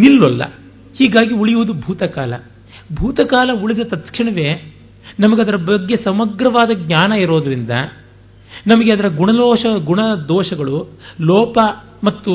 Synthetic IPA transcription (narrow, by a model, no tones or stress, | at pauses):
nilːɐlːɐ̰ | hiːɡaːɡiuɭijuʋud̪ubʱuːt̪ɐkaːlɐ̰ | bʱuːt̪ɐkaːlɐuɭid̪ɐt̪ɐt̪kʂiɳɐʋe̞ː | nɐmɐɡeɐd̪ɐɾɐbɐɡːe̞sɐmɐɡɾɐʋaːd̪ɐɡɲaːnɐiɾoːd̪ɐɾind̪ɐ̰ | nɐmɐɡeɐd̪ɐɾɐɡuɳɐd̪ɔːʃɐɡuɳɐd̪ɔːʂɐɡɐɭulɔːpɐ | mɐt̪ːu